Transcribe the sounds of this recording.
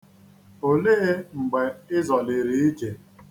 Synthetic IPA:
o˨le˦ŋ͡m̩˨ɡ͡be˨ɪ˦zɔ˨lɪ˨ɾi˨i˦d͡ʒe˨

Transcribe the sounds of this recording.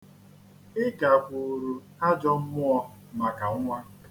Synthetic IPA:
ɪ˦ɡa˨kʷo˨ɾu˨ | a˦d͡ʒɔ˦m̩˦mʊ˦ɔ˦ | ma˨ka˨ŋ˦ŋʷa˦

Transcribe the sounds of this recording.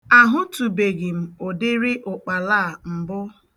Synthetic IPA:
a˨ɦʊ˦tu˨be˨ɡɪ˨m̩˨o˨dɪ˦ɾɪ˦ʔʊ˨k͡pa˨laː˦˨m̩˨bʊ˦

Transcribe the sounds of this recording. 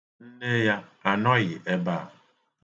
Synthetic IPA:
n̩˦ne˦ja˦a˨nɔ˦ɣɪ˨ʔe˦baː˦˨

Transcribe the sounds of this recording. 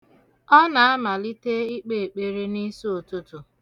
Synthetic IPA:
ɔ˦na˨a˦ma˨li˦te˦i˦k͡pe˦˨e˨k͡pe˨ɾe˦ni˦so˦o˨tu˦tu˨

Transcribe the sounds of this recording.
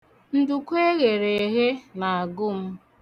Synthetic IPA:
n̩˦dʊ˨kʷe˦ɣe˨ɾe˨e˨ɦe˦na˨a˨ɡʊ˦m̩˦

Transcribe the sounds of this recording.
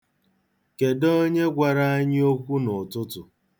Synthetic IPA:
ke˨dɔ˦ɲe˦ɡʷa˨ɾa˦a˦ɲ˦o˦kʷu˦nʊ˨tʊ˦tʊ˨

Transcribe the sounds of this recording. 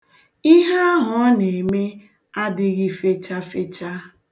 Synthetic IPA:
i˦ɦa˦ɦʊ˨˦ne˨me˦ | a˦dɪ˦ɣɪ˦fe˦t͡ʃa˦fe˦t͡ʃa˦

